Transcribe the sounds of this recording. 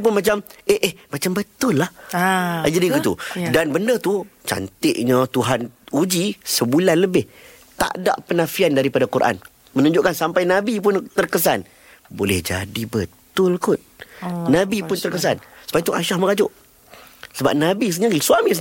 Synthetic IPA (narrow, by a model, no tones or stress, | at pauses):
p̬ʊnmãt͡ʃameʔehmat͡ʃambət̪ʊlːah | d͡ʒadiɡit̪ṵdanbəndət̪ut͡ʃa̰nt̪ɪʔɲət̪uɦanud͡ʒisəbulanləbɪh | t̪a̰ʔda̰ʔpənãfiandaɾipadakuɾʔa̰n | mənũɲd͡ʒʊʔkansampajnãbip̬ʊnt̪ərkəs̬an | bolɛhd͡ʒa̰dibət̪ʊlkʊt̪̚nãbipʊnt̪ərkəs̬ansə̥pait̪uʔaʃahməɡad͡ʒʊʔ | səba̰p̚nabisɲəsuamĩs̬